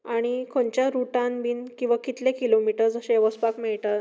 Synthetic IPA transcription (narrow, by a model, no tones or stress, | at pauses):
aɽ̃ikʰoɳt͡ɕjaɾuʈãnbiːnkĩw̃ʋakit̪lekilomiʈəɾd͡zəɕẽʋəspakmeɭʈ̪ə